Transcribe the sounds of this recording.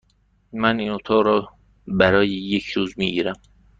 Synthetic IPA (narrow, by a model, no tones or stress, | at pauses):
mæniːnot̪ʰɒɣɾɒː | bæɾɒːjejecʰɾuːzmiɟiːɾæm